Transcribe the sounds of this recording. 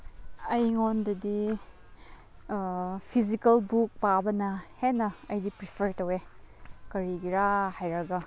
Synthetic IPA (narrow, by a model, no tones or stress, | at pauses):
ɐjŋondɐdi | pʰizikɐlbuk̚pabɐnɐhenɐɐjdipɾipʰeɾtɐwekɐɾiɡiɾahajɾɐɡɐ